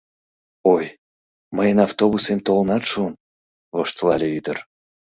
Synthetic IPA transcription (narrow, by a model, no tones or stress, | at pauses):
oj | məjənɑft̪oβusemt̪olnɑt̪ʃun | βoʃt̪lɑlʲeyd̪ər